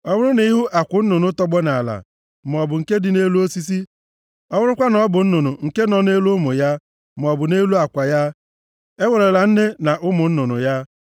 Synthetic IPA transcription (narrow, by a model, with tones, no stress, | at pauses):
ɔ˦mʊ˦ɾʊ˦ni˨˦i˦ɦʊ˦ʔa˨kʷʊ˨n̩˦nʊ˨nʊ˦tɔ˦ɡ͡bɔ˦na˨la̰˨ | m˨ɔ˨bʊ˨ŋ̩˨ke˦dɪ˨ne˦lu˦o˦si˦s̬i˦ | ɔ˦wʊ˦ɾʊ˦kʷa˦nɔ˦bʊ˨n̩˦nʊ˨nʊ˨ŋ̩˨ke˦nɔ˨ne˦lu˦mʊ˨ja˦ | m˨ɔ˨bʊ˨ne˦lu˦a˨kʷa˨ja˦ | e˦we˨ɾe˨la˨n̩˦ne˦na˨ʔʊ˦mʊ˨n̩˦nʊ˨nʊ̰˨ja˦